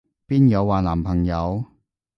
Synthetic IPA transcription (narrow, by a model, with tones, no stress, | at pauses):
piː˥njɐ˨˧wːaː˨naː˨˩mpʰɐ˨˩ŋjɐ˨˧w